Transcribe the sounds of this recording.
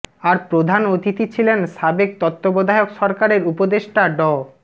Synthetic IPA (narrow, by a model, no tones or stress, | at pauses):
aɾpɾod̪ʱanot̪it̪it͡ɕʰilenʃabek̚t̪ot̪ːobod̪ʱaeokʃɔɾkaɾeɾupod̪eʃʈaɖɔ